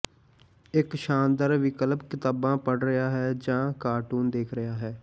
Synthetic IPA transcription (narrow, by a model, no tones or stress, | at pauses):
ɪkʃaːnd̪əɾʋɪkəlpkɪt̪aːbãːpəɽɾəjaːɦɛːd͡ʒãːkaːʈuːnd̪eːkʰɾɪjaːɦɛː